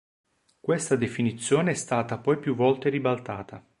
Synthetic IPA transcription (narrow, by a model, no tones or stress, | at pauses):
kwest̪ad̪efinit̪sːjoːneɛst̪aːt̪apɔjpjuvːɔlt̪eribalt̪aːt̪ʰa